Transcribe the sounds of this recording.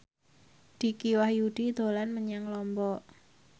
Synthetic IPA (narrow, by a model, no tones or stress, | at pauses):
d̪̥i̤kiwahjuɖ̥id̪o̤lanməɲaŋlɔmbɔ